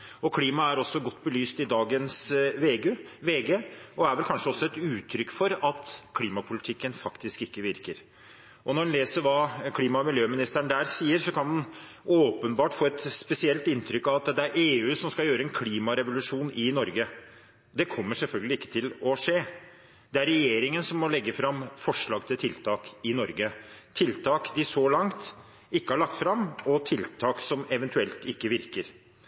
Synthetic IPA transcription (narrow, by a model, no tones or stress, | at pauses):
ɔkʰliːmɑæɾɔsːɔɡɔt̪ːbəlyːst̪ɪd̪ɑːɡənsʋeːɡʋeːɡeɔæɾʋɛlkʰɑnʂəɔsːɔɛt̪ʉːt̪ʰɾʏkːfɔɾɑt̪kʰliːmɑpʰʊlɪt̪ʰɪkːənfɑkt̪ɪskɪkːəʋɪɾkəɾ | ʔɔnɔɾɖɛnleːsəɾʋɑːkʰliːmɑmɪljøːmɪnɪst̪əɳd̪æːɾsiːəɾsɔkʰɑnd̪ɑn | oːpənbɑːʈfoːɛt̪spɛsɪɛlt̪ɪnt̪ʰɾʏkːɑʋɑt̪d̪ɛæɾʔeːʉːsɔmskɑjøːɾəɛnkʰliːmɑɾɛʋʊlʉʂuːnɪnɔɾɡə | d̪ɛkʰɔmːəʂɛlfœlɡəlɪɪkːət̪ʰɪlɔʂeː | d̪ɛæɾɛjeːɾɪŋənsɔmːɔlɛɡːəfɾɑmfɔʂɭɑːɡt̪ʰɪlt̪ʰɪlt̪ʰɑːkɪnɔɾɡət̪ʰɪlt̪ʰɑːkd̪ɪsɔlɑŋt̪ | ɪkːəhɑɭɑk̚t̪fɾɑmːɔt̪ʰɪlt̪ʰɑːksɔmɛʋɛnt̪ʉɛlt̪ɪkːəʋɪɾkəɾ